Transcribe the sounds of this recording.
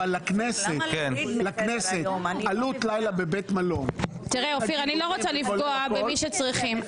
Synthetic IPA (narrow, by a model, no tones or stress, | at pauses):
alaknesetlaknesetalut̪lajlabebet̪malo̞m | t̪iʁeofiʁaniloʁot͡salifɡoabemiʃet͡sʁiχim